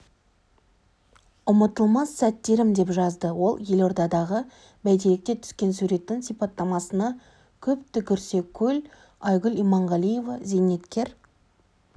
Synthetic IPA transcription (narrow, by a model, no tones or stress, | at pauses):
ʊmət̪əlˠmɑsːæt̪ːe̞ɾɪmd̪e̞pʒɑzd̪əwo̞lˠje̞lo̞ɾd̪ɑd̪ɑʁə | bæjd̪elek̚t̪e̞t̪ʰʏ̥skʲe̞nsuɾe̞t̪ːɪŋsijpɑt̪ːɑmɑsənɑ | kʲʰɵpt̪ɪkʲʰʏɾse̞kʲʰɵl | ɑjɡʲʊlimɑɴʁɑlˠijevɑzene̞t̪kʲe̞ɾ